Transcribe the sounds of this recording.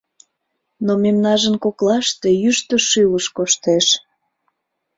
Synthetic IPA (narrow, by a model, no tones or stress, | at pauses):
nomemnɑʒənkoklɑʃt̪ejyʃt̪ə̆ʃywəʃkoʃt̪eʃ